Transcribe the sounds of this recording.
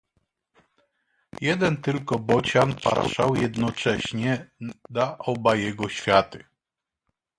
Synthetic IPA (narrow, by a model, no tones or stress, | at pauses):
jɛd̪ɛnt̪ɘlkɔbɔt͡ɕanpa̰t̪ʂa̰wjɛd̪nɔt͡ʂɛɕɲɛd̪aʔɔbajɛɡɔɕfʲjat̪ɘ